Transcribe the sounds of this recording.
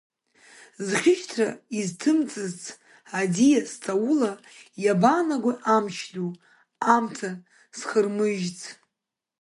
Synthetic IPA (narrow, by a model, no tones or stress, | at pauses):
zχʲɪʃtʰra̰iztʰɨmt͡sʼɨzt͡sʼʰ | adijast͡sʼaula | jabanaɡʷaʔamʃlʲu | amtʰa | sχərmɨʒt͡sʰʼ